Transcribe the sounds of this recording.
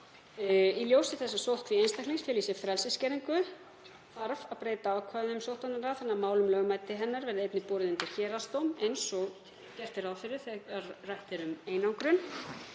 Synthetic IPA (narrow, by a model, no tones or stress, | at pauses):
iljoːwsɪθɛsːasowθkʰviejnst̪ajkliŋsfjɛɾliːsɪfɾɛlsɪscɛɾiŋkʏ | faɾvaðpɾeːjt̪aakʰvaːðʏmsowht̪anaɾaθɛnːamaːwlʏmlœːɣʏmajt̪ɪɦɛnːaɾvɛɾðɪejpnɪpɔːɾɪðʏnt̪ɪɾ̥çɛːɾast̪owmejnsɔ | cɛr̥t̪ɪɾaðfɪɾɪ̥θɛarajht̪ɪɾʏmeːjnawŋkɾʏn